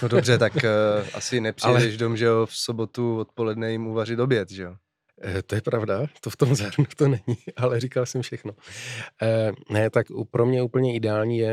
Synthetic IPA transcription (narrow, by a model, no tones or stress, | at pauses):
nodobrɛt̪akʔasɪnɛpr̥ailɛɛʒdomʒɛfso̞bo̞t̪uvot̪̚po̞lɛdnɛjɪmuvarɪt̪objɛt̪ʒɛo | t̪o̞jɛpɾavdat̪o̞ft̪o̞mzaɾnut̪onɛɲɪʔalɛɾikalsɛmfʃɛxno̞ | nɛt̪akupɾo̞mɲɛuːpl̩ɲɛɪdɛaːlɲiːjɛ